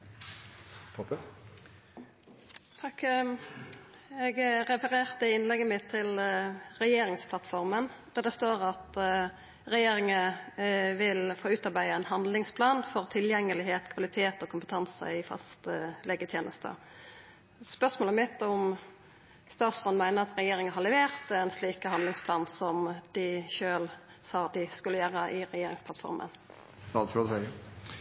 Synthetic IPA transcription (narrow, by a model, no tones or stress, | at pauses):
pʰɔp | t̪ʰɑk | ɛɡɾɛfəʁeːʁt̪əɪnlɛɡːəmɪt̪ʰːɪlʁɛjeːɾɪŋspʰlɑt̪fɔʁmənd̪̥æʁd̪ɛst̪oːʁɑt̪ | ʁɛjeːɾɪŋə | ʋɪlfoːʉːt̪ɑʁbæɪəɛnhɑnd̪lɪŋspʰlɑːnfɔʁt̪ʰɪljɛŋːəlɪɦeːt̪kʰʋɑlɪt̪ʰeːt̪ɔːkʰʊmpət̪ʰɑnsə̰ɪfɑ̰st̪əleːɡət̪ʰjeːnʔəst̪ə̰ | spœʁsmoːləmɪt̪ːʊm | st̪ɑːt̪sɔnmæɪnəʁɑt̪ɾɛjeːɾɪŋəɦɑlɛʋeːʁt̪ɛnsliːkəhɑnd̪lɪŋspʰlɑːnsɔmd̪̥ɪʃøːl | sɑːd̪ɪskʉlːəjøːɾəʔɪɾɛjeːɾɪ̰ŋspʰlɑt̪fɔ̰ɾmə̰n | ɑd̪fɔsɛ